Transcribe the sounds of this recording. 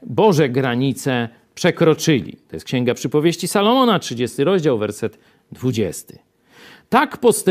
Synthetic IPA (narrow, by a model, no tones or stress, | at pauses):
bɔʐɛɡɾaɲit̪sɛ | pʂɛkɾɔt͡ʂɘlʲḭt̪ɔjɛst̪kɕɛ̃ŋɡapʂɘpɔvʲjeɕt͡ɕisalɔmɔnatʂɘd͡ʑest̪ɘɾɔʑd͡ʑawvɛɾsɛd̪ | d̪vud͡ʑɛ̰st̪ɘ̥ | t̪akpɔst̪ɛ